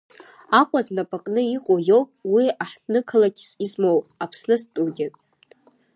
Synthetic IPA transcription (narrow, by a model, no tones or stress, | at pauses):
aqʷʼaznapʼaqʼnɨiqʼojowpʼwiaħtnɨkʰalakʰʲsizmowpʼapʰsnɨstʼudʲɪtʼ